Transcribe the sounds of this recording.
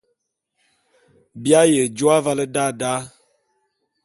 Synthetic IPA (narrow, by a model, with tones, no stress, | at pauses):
bja˦je˨d͡ʒu˦a˦va˦lə˦da˦da˦